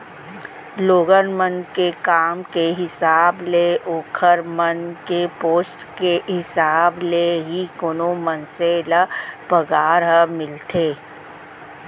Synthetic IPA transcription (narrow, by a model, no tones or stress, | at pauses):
loːɡənmənkekaːmkeɦɪsaːbleoːkʰəɾmənkepoːsʈkeɦɪsaːbleɦikoːnomənselapəɡaːɾɦəmɪlt̪eː